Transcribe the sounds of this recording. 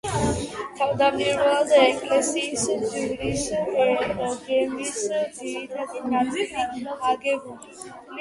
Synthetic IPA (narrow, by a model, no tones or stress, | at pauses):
t̪ʰavd̪amiɾɔalˠd̪aɛkʼlɛsiːsd͡ʒivlisɛɔɡɛmisd̪ziɾit̪ʰad̪inad̪iliaɡɛbuli